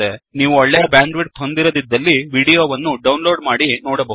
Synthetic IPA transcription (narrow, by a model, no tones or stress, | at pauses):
eniːʋuɔɭːɛjɐbjaːɳɖʋiʈ̪ɦo̞nd̪iɾod̪id̪ːɐlːiʋiːɽijoːʋɐnːuɖɐwnlo̞ːɖmaːɽinoːɽɐbɐ